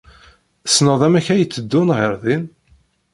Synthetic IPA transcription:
snəðˤæmæçæjət͡sːəd̪ːʊnʁəɾðin

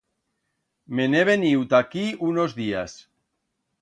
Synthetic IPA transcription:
meneβ̞eniwt̪akiunozðias

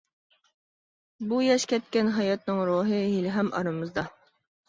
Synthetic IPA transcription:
bujɛʃkʲɛt̪̚kʲɛnɦɑjɑt̪̚nɨŋɾoːɦɨɦilɪɦɛmʔɑ̰ɾɨmɨzd̪ɑ

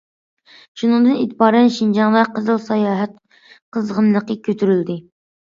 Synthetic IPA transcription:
ʃunɨŋd̪ɨnit̪ʰbɑːɾɛnʃind͡ʒɑŋd̪ɑqəzɨlˠsɑjɑːɦɛt̪̚ | qʰəzʁənːˠəqəkʲʰøt̪ʰyɾyld̪ɪ

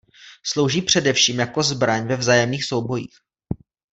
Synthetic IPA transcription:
slowʒiːpr̝̥ɛdɛfʃiːmjako̞zbɾaɲvɛvzaːjɛmniːxso̞wbo̞jḭːx

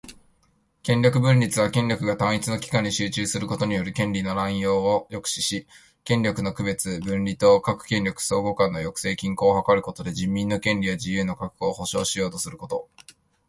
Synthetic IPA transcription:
kẽ̞ɲʲjo̞kɯ̟bɯ̟̃nɾʲit͡sɨβakẽ̞nɾʲokɯ̟ɡat̪ãɰ̃it͡sɨno̞kʲi̥kãɲ̟ːiɕɨːt͡ɕɨːsɨɾɯ̟ko̞t̪o̞ɲ̟ijo̞ɾɯ̟kẽ̞nɾʲino̞ɾãĩjo̞ːjo̞kɯ̟̥ɕiɕi | kẽ̞ɲɾʲo̞kɯ̟no̞kɯ̟be̞t͡sɨbɯ̟̃nɾʲit̪o̞ːkakɯ̟̥kẽ̞nʲɾʲo̞kɯ̟̥so̞ːɡo̞kãnːo̞jo̞kɯ̟̥se̞ːkʲĩŋko̞ːhakaɾɯ̟ko̞t̪o̞d̪e̞ʑĩmʲːĩnːo̞kẽ̞nɾʲijad͡ʑijɯ̟ːno̞kakɯ̟̥ɡoːho̞ɕo̞ːɕijo̞ːt̪o̞sɨɾɯ̟ko̞t̪o̞

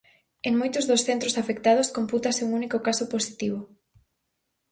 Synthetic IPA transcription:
eŋmojt̪ʊzðosθent̪ɾosafek̚t̪að̞oskomput̪asɪuŋunikokasoposi̥t̪iβo

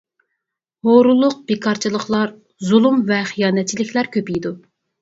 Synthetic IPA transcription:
hoɾulˠːʊq̚bekʰɑɾt͡ʃʰilˠəχlˠɑɾ | zulˠumvɛχijɑːnɛt̪̚t͡ʃʰilɪkʲʰlæɾkʲʰøpijd̪u

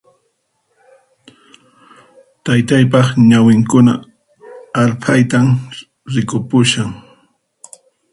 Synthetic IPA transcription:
t̪ajt̪ajp̬ɑχɲawɪŋkʊna̰ | aɾpʰajt̪am | ɾɪkʊpʊʃaŋ

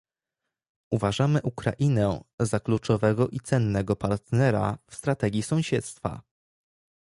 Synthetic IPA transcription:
uvaʐamɘʔukɾa̰ʔinɛzaklut͡ʂɔvɛɡɔʔit̪sɛnːɛɡɔpaɾt̪nɛɾa̰fst̪ɾat̪ɛɡʲisɔ̃w̃ɕɛt̪st̪fa̰

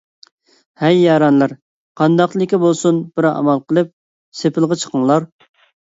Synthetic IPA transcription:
hɛjːɑɾɑnlˠɨɾ | qʰɑnd̪ɑqlˠɪkʲibolˠsunb̥ɪɾɑ̰mɑlˠqʰəlˠɨp̚ | sepʰɪlˠʁɑt͡ʃʰə̥qʰəŋlˠɑɾ

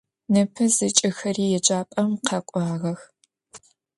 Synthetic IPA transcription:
nɨpʰɨzɨt͡ʃʼɪxɐriːjɛd͡ʒʼaːpʼɐmqʰɐkʷʼɑːʁɐx

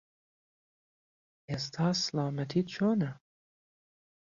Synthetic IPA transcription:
est̪ʰaːslaːmɐt̪ʰitt͡ʃʰoːnɐ

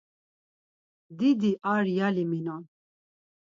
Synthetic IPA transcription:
d̪id̪iʔaɾjaliminan

